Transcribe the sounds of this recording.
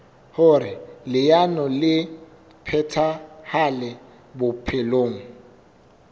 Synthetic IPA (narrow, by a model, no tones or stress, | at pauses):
hʊɾɪlɪjanɔlɪ | pʰɛtʰahalɛ | bʊpʰɪloːŋ̩